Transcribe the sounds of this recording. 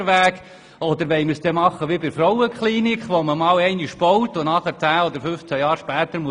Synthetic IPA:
ɾʋæːk | ɔd̥̪əɾʋɛɪməɾsd̥̪ɛmɑχːəʋibɪɾfɾɔwəkχliːnikχʋoməmɑːwɛɪniʃb̥ɔwt̪ʊnɑχəɾt͡sæːɔd̪əɾfʏft͡sæjɑːɾʃpæːt̪əɾmuə

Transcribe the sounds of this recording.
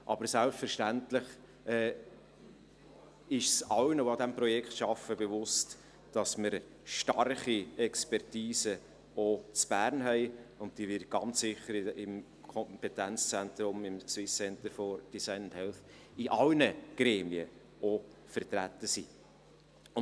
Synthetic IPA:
ʔɑbəɾsælpfəɾʃtæntləχ | ɛ | ɪʃsɑlnəoɑd̪æmpɾɔjɛkχtʃɑfəbɛvʊst | d̥ɑsməɾ | ʃtɑrχiɛkspɛrtiːsə | ot͡sb̥æːɾnɦɛɪʊnt̚d̥ivɪɾt̚ɡ̥ɑnt͡ssɪχːəɾɪm | kʰɔmpɛtænt͡st͡sæntɾʊmɪmt͡swɪsɛntəɾfɔd̥isaɪnʊnthɛlθ | ɪʔɑlnəɡ̥ɾɛːmiə | ofəɾt̪ɾætːəsiː | ʊ

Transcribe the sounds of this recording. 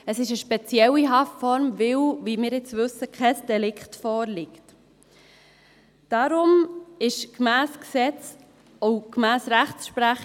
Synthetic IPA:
əsɪʃəʃpɛt͡sjɛwːiɦɑftfɔɾmvɪwvimɪːɾɪt͡sʋɵsəkʰχɛsd̥ɛlɪkχtfɔːɾlɪkt | d̥ɑɾʊmɪʃkmæːsksɛt͡s | ɔʊkmæːsɾæχsʃpɾæχ

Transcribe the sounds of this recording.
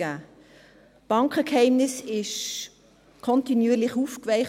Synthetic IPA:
aː | b̥ɑŋkʰəkhaɪmnɪsɪʃ | kʰɔntinjyːlɪχuːfkvɛɪχ

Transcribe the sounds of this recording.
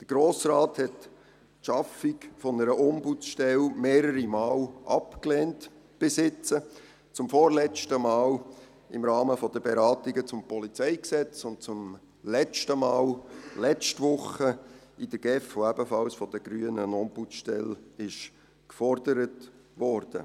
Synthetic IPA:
d̥əɾɡ̥ɾoːsraːthɛt | ʃɑfɪkfɔnəɾəʔʊmbut͡sʃtɛlmeːɾəɾimaːlʔɑpkleːnt | b̥ɪsɪt͡sə | t͡sʊmfɔɾlɛt͡ʃtəmɑːl | ɪmɾɑːməfɔd̥əbeɾɑːtiɡət͡sʊmpɔlit͡sɛɪksɛt͡sʊnt̚t͡sʊm | lɛt͡ʃtəmɑːllɛt͡ʃtvʊχəid̥əɡ̥ɛfoæbəfɑlsfɔd̥̪əɡ̥ɾyːənənɔmbut͡sʃtɛ̰lɪʃ | kfɔɾdəɾət | ʋɔɾd̥ə̰

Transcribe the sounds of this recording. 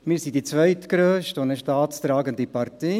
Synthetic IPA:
mɪːɾsidit͡sʋœʏtkɾøːʃtonəʃtɑːtst̪ɾɑːɡəndipɑrt̪e

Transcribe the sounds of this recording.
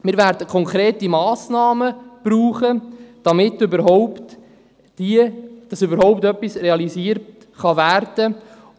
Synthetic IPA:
mɪːɾvæɾd̥əkʰɔŋkɾeːtimɑːsnɑːməb̥ruːχəd̥ɑmɪtʏbəɾɦɔʊpt | d̥iəd̥ɑsʏbəɾhɔʊp̚tœpːisreɑliziːəɾt | χɑværd̥ə

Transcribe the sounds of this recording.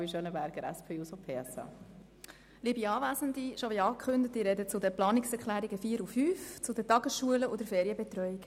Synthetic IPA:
iʃøːnəbæɾɡ̥əɾɛ̰spʰeːusopʰeːɛsɑ̰ | liːbiɑːʋæzəndiʃoʋiɑːkχʏndətiɾɛdət͡sʊdəplɑːnɪksɛɾklæːɾiɡəfiːəɾufyːft͡sʊdətɑɡəsʃuələʔodəɾfeːɾjəbɛt̪ɾœjik

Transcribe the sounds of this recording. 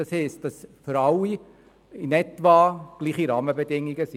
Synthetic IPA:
ɑshɛɪst̚d̥ɑsfʏɾɑlːi | ɪnɛtʋɑːɡ̥liːχiɾɑːməbedɪŋːiɡəsi

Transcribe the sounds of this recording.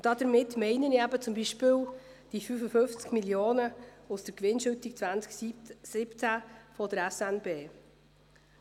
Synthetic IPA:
d̥ɑd̪əɾmɪtːmɛɪnəniæbət͡sʊmbiʃpɪːld̥ifyfəfʏnft͡skmiljoːnəusd̥əɾkʋɪnʃytik̚t͡svænt͡sksɪpt͡sæfɔd̥əɾɛsɛnbeː

